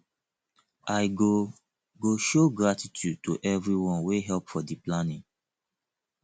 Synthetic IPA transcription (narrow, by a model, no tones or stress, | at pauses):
ʔaɪɡo | ɡoʃoɡɹatitʰjud̚tṵʔɛvɹiwɔ̃nweɦɛlpfɔdiplanĩŋ